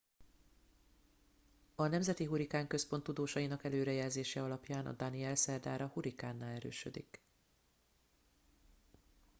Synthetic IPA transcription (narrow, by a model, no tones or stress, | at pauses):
ɒnɛmzɛt̪iɦuɾikaːŋkø̞spo̞nt̪ːud̪oːʃɒjinɒkɛløːɾɛjɛlzeːʃɛɒlɒpjaːnʔɒ̰d̪ɒniɛlsɛrd̪aːɾɒhuɾikaːnːaːlɛɾø̰ːʃø̰d̪ḭk